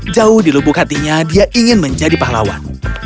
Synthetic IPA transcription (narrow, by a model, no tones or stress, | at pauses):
d͡ʒaʊhdilubʊkhat̪iɲadiaʔiŋɪnməɲd͡ʒadipala̰wa̰n